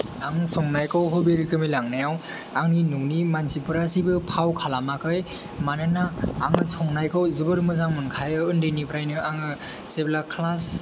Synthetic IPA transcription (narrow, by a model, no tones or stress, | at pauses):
aŋsɔŋnajkʰɯwɦɯbeɾikʰɯmilaŋnajaw | aŋninuŋnimansipɯɾasibɯpʰawkʰalamakʰɯj | manɯna̰ːŋɯsɔŋnajkʰɯwzɯbɯɾmɯzaŋmɯnkʰajɯɯndenipʰɾajnɯʔaŋɯ | seblakʰlas